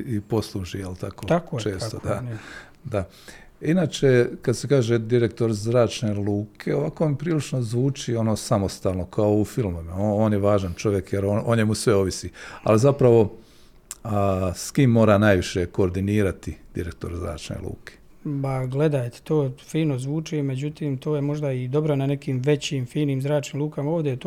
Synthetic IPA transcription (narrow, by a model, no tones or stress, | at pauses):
ipo̞slˠuʒijelˠt̪akoakːt͡ʃe̞ːst̪od̪a | d̪a | inaːt͡ʃe̞kad̪sekaːʒed̪iɾe̞k̚t̪o̞ɾzɾaːt͡ʃne̞lˠuːkʰe̞oʋakompɾiːlit͡ʃno̞zʋuːt͡ʃio̞noːsamo̞st̪aːlˠno̞kʰaoufilˠmoeooːnjeʋaːʒant͡ʃo̞ʋjekjeɾooɲjemusʋeo̞ʋisia̰lizapɾaʋo̞ | skiːmːo̞ːɾanajʋiʃe̞ko̞ːɾd̪iniːɾat̪id̪̥ḭɾek̚t̪oɾzɾa̰ːt͡ʃnḛlˠṵːke̥ | paɡle̞d̪aːjt̪e̥t̪oːfiːno̞zʋuːt͡ʃime̞d͡ʑut̪iːmt̪oːjemo̞ʒd̪aid̪o̞bɾonane̞kiːmʋe̞t͡ɕiːmfiːniːmzɾaːt͡ʃniːmlˠuːkamaoːʋd̪ejt̪o